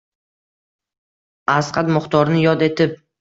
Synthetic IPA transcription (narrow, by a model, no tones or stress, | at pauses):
asqʰɑt̪mʊχt̪ʰɒɾnɪjɒd̪e̞t̪ʰɪp̚